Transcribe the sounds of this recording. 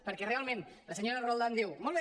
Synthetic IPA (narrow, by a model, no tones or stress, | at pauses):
pəɾkɛrealˠmẽnləsəɲoɾərolˠd̪and̪iwmɔlˠβe